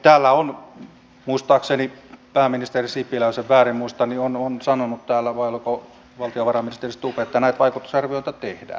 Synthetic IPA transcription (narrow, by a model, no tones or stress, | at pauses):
t̪æːlːæon | muist̪ɑːksenipæːminist̪erisipilæˑøseʋʋæːrimmuist̪ɑniononsɑnonut̪t̪æːlːæʋɑˑiolko | ʋɑlt̪ioʋɑrɑminist̪erist̪upeet̪ːænæˑet̪ʋɑˑikut̪ːˑusɑrʋioˑit̪ɑt̪ehdæ̰ː